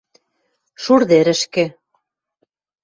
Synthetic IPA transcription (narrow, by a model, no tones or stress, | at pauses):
ʃuɾðeɾɘ̆ʃkĕ